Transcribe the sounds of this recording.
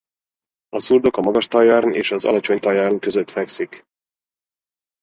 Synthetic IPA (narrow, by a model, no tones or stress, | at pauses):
ɒsurd̪okɒmɒɡɒʃt̪ɒjɒrnḛːʃɒzɒ̰lɒt͡ʃo̞ɲt̪ɒjɒrnkøzøt̪fɛksik